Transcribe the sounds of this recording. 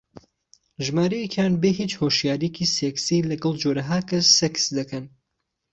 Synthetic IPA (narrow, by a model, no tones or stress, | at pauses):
ʒmaːɾɐjekʰjanbeɦit͡ʃhoʃjaːɾijecʰiseksilɐɡɐlˠd͡ʒoːɾɐɦaːkʰɐsːeksd̪ɐkʰɐn